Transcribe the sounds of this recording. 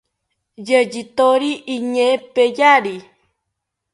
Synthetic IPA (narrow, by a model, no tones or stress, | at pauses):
jəd͡ʒit̪oɾiʔiɲẽpejaɾi